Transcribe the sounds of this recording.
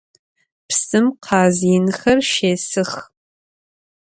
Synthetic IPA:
psɨmqʰɑːziːnxɐrʃeːsɨx

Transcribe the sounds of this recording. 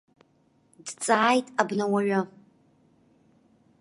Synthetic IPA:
dt͡sʼaːjtʼabnawaɥʷʊ

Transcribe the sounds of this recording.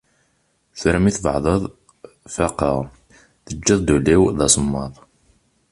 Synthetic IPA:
θɾəmiθvə̰ʕðˤəðˤ | fɑqəʁ | ðəd͡ʒːəðˤd̪uliwðɑsəmːɑðˤ

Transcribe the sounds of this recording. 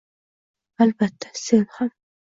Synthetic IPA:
albat̪ʰːæ̥senham

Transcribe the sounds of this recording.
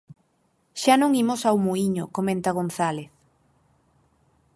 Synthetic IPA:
ʃanõŋimosawmuiɲokomẽnt̪aɣon̟θaleθ

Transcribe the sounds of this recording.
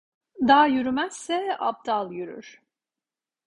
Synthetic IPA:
d̪aːjyɾymæz̥sɛa̰p̚d̪alˠjyɾy̰ɾ̥

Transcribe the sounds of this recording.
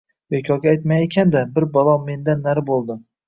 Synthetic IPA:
vekʲʰɒɡʲaajt̪majekʲʰand̪abɪɾbalˠɒːe̞nd̪anːaɾɪbolˠd̪ɪ

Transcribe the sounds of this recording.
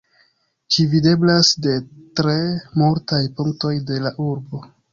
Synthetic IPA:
t͡ʃivide̞blasde̞tɾe̞multajpuŋkto̞jde̞laʔuɾbo̞

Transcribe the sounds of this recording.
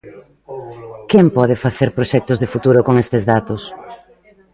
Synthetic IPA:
kempɔð̞ɪfaθeɾpɾoʃɛk̚t̪ʊzðɪfut̪uɾʊkoŋest̪ɪzðat̪ʊs

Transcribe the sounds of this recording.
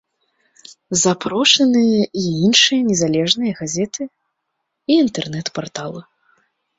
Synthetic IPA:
zapɾɔʂɐnɨjɐiinʂɨjɐnʲɛzalʲɛʐnɨjɐɣazʲɛt̪ʰɨ | iːnt̪ɛrnɛt̪part̪alˠɨ

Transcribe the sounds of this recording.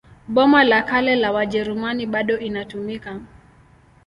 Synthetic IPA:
ɓɔmalakalɛlawaʄɛɾumaniɓaɗɔʔinatumika

